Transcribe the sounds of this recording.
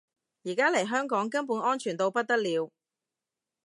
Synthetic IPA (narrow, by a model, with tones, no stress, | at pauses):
jiː˨˩kaː˥le˨˩jɦœː˥ŋkɔː˨˥ŋkɐ˥npuː˨˥nʔɔː˥nt͡ʃʰyː˨˩nt̪o˧wpɐ˥t̚t̪ɐ˥k̚liː˨˧w